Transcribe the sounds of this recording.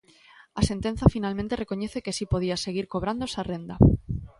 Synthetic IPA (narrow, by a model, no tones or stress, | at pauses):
ase̞nt̪e̞n̟θafinalmẽnt̪erʔe̞ko̞ɲe̞θe̞ke̞sipo̞ðiase̞ɣ̞iɾko̞β̞ɾand̪osarẽ̞nd̪a